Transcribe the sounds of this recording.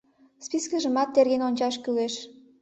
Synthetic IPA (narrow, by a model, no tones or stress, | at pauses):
spiskəʒəmɑt̪ːerɣenonʲt͡ɕɑʃkyleʃ